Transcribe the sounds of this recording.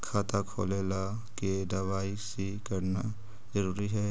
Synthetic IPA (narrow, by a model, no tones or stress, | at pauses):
kʰaːt̪akʰo̰ːleːla | keɖɐʋaːisi | kɐɾna | zəɾuːɾiɦɛː